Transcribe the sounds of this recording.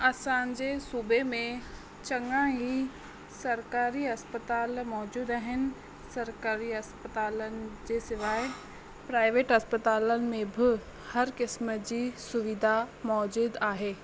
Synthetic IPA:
aːsaːnd͡ʑesuːbemẽ | t͡ɕɐ̃ŋɡãɦi | sɐɾkaːɾiɐspət̪aːlmɔːd͡ʑuːd̪aːɦɪnɪ̆ | sɐɾkaːɾiɐspət̪aːlənɪ̆d͡ʑeːsɪʋaːe | pɾaːɪʋeːʈɦɐspət̪aːlənɪ̆mẽbʱɪ | hɐɾkɪsməd͡ʑiːsʊʋɪd̪ʱamɔːd͡ʑuːd̪aːɦeː

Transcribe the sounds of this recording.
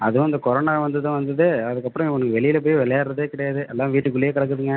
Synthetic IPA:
ɐðɯʋɐnd̪ɐkɔɾoːnaːʋɐnd̪ɐðãːʋɐnd̪ɯðɯɐðɯkːɐpːɾɐ̃ɔnɐkːɯʋɛɭɪjɪlɐp̬oːjʋɛɭɐjaːɾɾɐðeːkɪɽɐjaːðɯʔɛlːãːʋiːʈːɯkːʊɭːɪjeːkɐɽɐk̬ːɯðɯŋɡɐ

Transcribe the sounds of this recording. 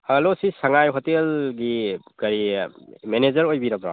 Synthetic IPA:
alosisɐŋajɦɔtelɡiɡ̥ɐɾimenezɐɾojbiɾɐbɾa̰

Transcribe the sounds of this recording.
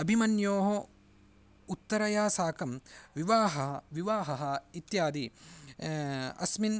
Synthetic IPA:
ɐbʱimɐnjoːɦɐ | ut̪ːɐɾɐjaːsaːkɐmʋiʋaːɦɐɦɐʋiʋaːɦɐɦɐit̪jaːd̪i | ɐ̰smin

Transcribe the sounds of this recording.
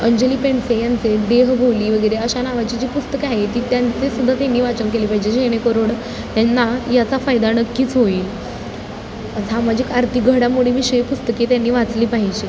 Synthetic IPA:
əɲd͡ʑəliːpeɳsejant͡seɖeɦbʱoliːʋəɡəjɾeəɕanaʋat͡ɕiːd͡ʑiːpust̪əkaɦet̪iːt̪jant͡sesud̪ʱːat̪janːiːʋat͡ɕənkeliːpaɦid͡ʑeɕeɽ̃ekoɾoɽ | t̪janːajat͡safajd̪anəkːiːt͡sɦoiːl | əsamad͡ʑʱikaɾt̪ʰiɡʱəɽamuɽ̤emiːɕəipust̪əket̪janːiːʋat͡sliːpaɦid͡ʑe

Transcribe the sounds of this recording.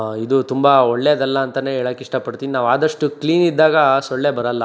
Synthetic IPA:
id̪ut̪umbɐɔɭːeɐd̪ɐlːɐːnt̪ɐne̞ːɛːɭaːkːiʂʈɐpɐɽt̪iːninaːʋaːd̪ɐʂʈukliːnid̪ːaːɡɐsoɭːebɐɾɐlːɐ

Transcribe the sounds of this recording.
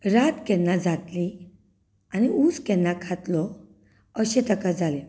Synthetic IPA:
ɾat̪kɛnːad͡zat̪li | aniuskɛnːakʰat̪lɔ | əɕet̪əkad͡zale

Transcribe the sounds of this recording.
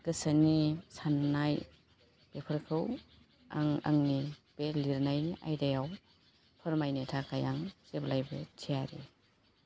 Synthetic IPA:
ɡɯsanisannaj | b̥epʰɯɾkʰɯw | a̰ŋa̰ŋnib̥eliɾnajniʔa̰jdajaw | pʰɯɾmajnetʰakajaŋseblajbetʰijaɾi

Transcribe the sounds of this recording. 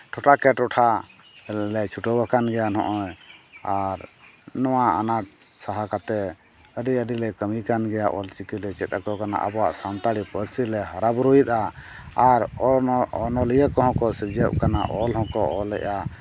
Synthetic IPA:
ʈʰɔʈʰakɛʈɔʈʰa | llɛt͡ʃʰuʈɔbakanɡɛjanɔ̰̃ʔɔjaɾnɔwaa̰naʈ̚ | saɦakat̪ɛ | əɖiəɖilɛkəmikanɡɛjaʔɔlt͡ʃikilɛt͡ʃɛt̪̚akɔkana̰ʔə̰bɔwa̰ʔsant̪aɽipəɾsilɛɦaɾabɾuit̪̚aː | ɾ | ɔnɔlijɛkɔɦɔ̃kɔsɛd͡ʒɛp̚kana̰ʔɔlɦɔ̃kɔʔɔlɛ̰ʔa

